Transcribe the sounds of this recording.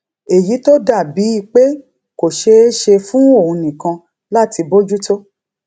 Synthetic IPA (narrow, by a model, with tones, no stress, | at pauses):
e˨ji˨˦to˦da˦˨bi˨˦i˦˨k͡pe˦ | ko˨ʃe˧˦ʃe˧fũ˦o˦˨ũ˧nĩ˨kã˧ | la˦˨ti˧bo˦d͡ʒu˦to˦